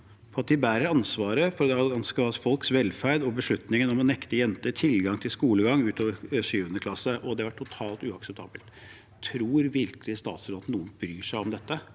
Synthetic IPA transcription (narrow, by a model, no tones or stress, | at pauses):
pʰɔɑt̪̚d̪ɪbæːɾəɾɑnsʋɑːɾəfɔɾd̪ɛɑɡɑnskəɑfɔlksʋɛlfæɾd̪ɔbəʂɭʉt̪nɪŋənɔmɔnɛkt̪əjɛnt̪əʈʰɪlɡɑŋt̪ʰɪlskuːləɡɑŋːʉːt̪ʰoːʋəɾʂyːʋənəkʰlɑsəʔɔd̪ɛʋɑʈʰːʊt̪ʰɑːlt̪ʉːɑksɛp̚t̪ʰɑ̰ːbəlt̪ | t̪ʰɾuːɾʋɪɾklɪəst̪ɑ̰ːt̪sɾɑːt̪nuːənbɾyːʂæɪɔmd̪ɛt̪ːə